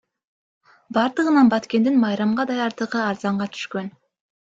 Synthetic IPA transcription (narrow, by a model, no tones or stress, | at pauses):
bɑɾd̪ɯʁɯnɑnbɑt̪ke̞nd̪inmɑjɾɑmʁɑd̪ɑjɑɾt̪ɯʁɯɑɾzɑɴʁɑt̪ʰy̥ʃkø̞n